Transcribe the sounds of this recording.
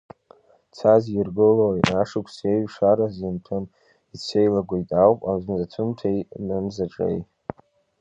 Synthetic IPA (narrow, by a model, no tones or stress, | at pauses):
t͡sʰazirɡɨlotaʂɨkʷʰse̞jɥʂaɾazintʰam | it͡sʷʰe̞jlaɡʷajtʼawpʼaznzatʷʰɨmtʰejnɨmzaʈ͡ʂʼḛj